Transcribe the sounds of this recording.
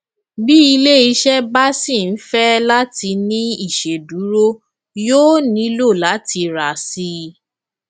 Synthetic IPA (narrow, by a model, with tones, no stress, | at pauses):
bi˦i˧le˦i˧ʃɛ˦ba˦si˦˨n̩˦fɛ˦la˦ti˧nĩ˦i˦˨ʃe˨du˨˦ɾo˦ | joː˦nĩ˨˧˦lo˦˨la˨˦ti˧ɾa˨si˧